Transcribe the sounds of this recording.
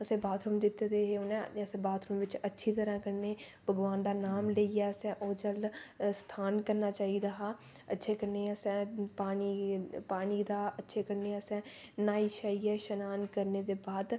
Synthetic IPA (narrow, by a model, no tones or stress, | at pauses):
əsẽːbaːt̪ʰɾʊmd̪ɪt̪ːd̪eːɦeːʊnɛ̃əsẽːbaːt̪ʰɾəmʋɪt͡ʃətːʃʰiːt̪əɾãːkəɾneː | bəɡʋaːnd̪aːnaːmleiːɛːəsɛ̃ːʔoːd͡ʒəlst̪ʰaːnkəɾnaːt͡ʃaːiːd̪aːɦaː | ətːʃʰeːkəɾneːasɛ̃ːpaːniːpaːɽiːd̪aːətːʃʰeːkəɾneːasɛ̃ː | naːiːʃaːiːɛːʃənaːnkəɾneːd̪eːbaːd̪